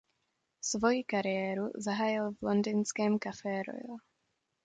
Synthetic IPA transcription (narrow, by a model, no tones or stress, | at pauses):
svojikaɾɪjɛːɾuzaɦaːjɪlvlond̪ɪnskɛːmkafɛːɾo̰jo